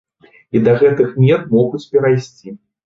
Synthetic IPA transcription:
id̪ɐɣɛt̪ɨxmʲɛt̪mɔɣut͡sʲpʲɛɾajsʲt͡sʲi

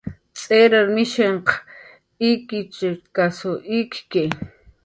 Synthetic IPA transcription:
t͡sʼeɾaɾmɪʃeɴq | ikit͡ʃekasoʔikke

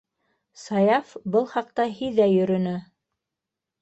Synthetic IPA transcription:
sɑjɑfbɤlˠχɑq̚t̪ɑɦiðæjɵ̆ɾɵ̆nɵ

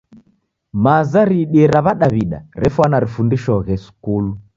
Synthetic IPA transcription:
mazaɾiɗiɛɾaβaɗaβiɗa̰ɾɛfwanaɾifundiʃɔɣɛsu̥kulu

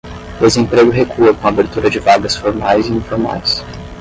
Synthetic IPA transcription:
d̪ezẽmpɾeɡʊɦekʰuɐkõabeɾt̪uɾɐd͡ʒɪvaɡɐsfoɾmajziĩfoɾma̰js

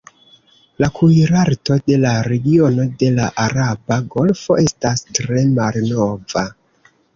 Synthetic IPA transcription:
lakʰujɾaɾto̞de̞laɾe̞ɡio̞no̞de̞laʔaɾabaɡo̞lfo̞ʔe̞stastɾe̞malno̞va

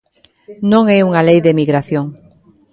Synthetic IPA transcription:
nõŋɛuŋalejðemiɣɾaθjoŋ

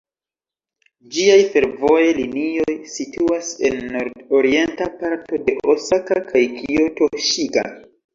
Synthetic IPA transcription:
d͡ʒiajfe̞ɾvo̞jelinio̞jsituase̞̰nːoɾdo̞ɾie̞ntapaɾto̞de̞ʔosakakʰajkʰioto̞ʃiɡa̰

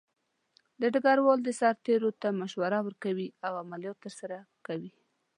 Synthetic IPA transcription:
d̪əɖaɡaɾwɑld̪əsaɾt̪eɾot̪amaʃwaɾawəɾkawiawamaljɑt̪ːəɾsaɾakawi

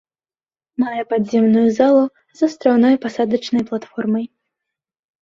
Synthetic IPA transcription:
majɛpad̪zʲɛmnujuzalˠu | zɐst̪ɾawnɔjpasad̪ɐt͡ʂnɐjplˠat̪fɔrmɐj

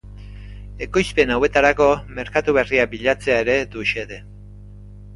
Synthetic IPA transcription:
e̞ko̞jspe̞nawe̞t̪aɾako̞me̞ɾkat̪uβe̞riabiʎat͡se̞ae̞ɾe̞d̪uʃe̞ðe̞

